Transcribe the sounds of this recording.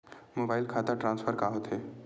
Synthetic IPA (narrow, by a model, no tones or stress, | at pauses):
moːbaːɪlkʰaːt̪aʈɾãːnsfʰəɾkaɦot̪ɦeː